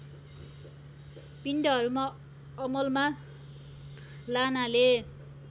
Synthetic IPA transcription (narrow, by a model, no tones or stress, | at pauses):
piɳɖʌɦʌɾuma | ʌmʌlma | lanale